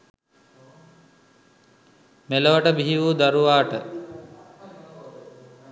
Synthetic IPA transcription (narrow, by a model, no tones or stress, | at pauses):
meləʋəʈəbiɦiʋuːd̪aɾuʋaːʈə